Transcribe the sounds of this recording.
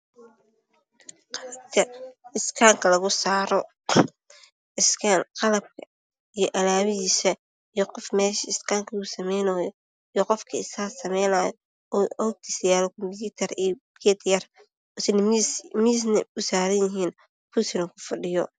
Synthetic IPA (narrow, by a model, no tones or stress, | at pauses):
qɐkʰɐɪskʰaːŋkʰɐlɐɣʊsaːɾɔ | ɪsqɑlɐb̚kʰɐ | ijɔʔɐlaːβɪðiːsɐ | ijɔqɔfmɛːʃɐɪskʰaːŋkʰɐʊsɐmɛjnɐjɔ | ijɔqɔfkʰɐɪsaːsɐmɛjnaːjɔ | ɔːɡ̚t̪ʰisjaːlɔkʰɔmpjuːt̪ʰɐrijkʰɛːt̪ʰjɐr | ɔːsɪnmis̬nɐ̰ʊsaːɾɐjjɪɦiːn | pʰusɪnɐkʰʊfɐɖɪjɔ̰